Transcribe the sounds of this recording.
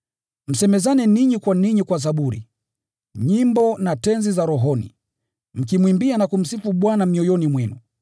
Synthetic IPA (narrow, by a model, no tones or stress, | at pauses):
m̩sɛmɛzanɛniɲikwaniɲikwas̬aɓuɾḭ | ɲimbɔnatɛnzizaɾɔɦɔnḭ | m̩k̬imwimbianakum̩sifuɓwanamiɔjɔnimwɛnṵ